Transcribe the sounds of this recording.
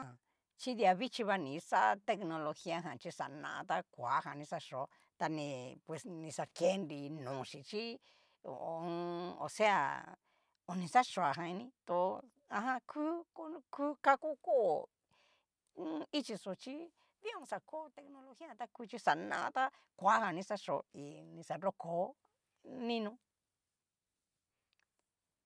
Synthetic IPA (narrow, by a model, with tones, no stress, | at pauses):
a˨ | t͡ʃi˦ði˧a˧βi˦t͡ʃi˧βa˧nĩ˨sa˦˧t̪e˧knõ˧lo˧xi˦a˧ɦã˨t͡ʃi˧sa̰˨nã̰˧a̰˧t̪a˦kʷa˨˦ɦã˧˨nĩ˧sa˧ʂo˨˦ | t̪a˧nĩ˧pwe˨snĩ˧sa˧ke˦nɾi˧nũː˨ʃi˨t͡ʃḭ˦˨ | o˨˧o̰˧˨se˦a̰˧˨ | o˧nĩ˧sa˦ʂo˨a˨ɦã˧ĩ˧nĩ˧t̪o˧ | ã˧ɦã˧kʰuː˦ko˧˦kuː˦ka˦ku˦ko˦˨˦ | i˦t͡ʃi˧so˨t͡ʃi˦ | ði˦õ˧sa˧ko˦˧t̪e˧knõ˧lo˧xi˦ã˦˧t̪a˦ku˧t͡ʃi˦sa˨nã̰˧˦ã˧t̪a˦ | kʷa˨˦hã˧nĩ˧sa˧ʂo˨i˧nĩ˧sa˧ɾo˦koː˨˦ | nĩ˦nũ˧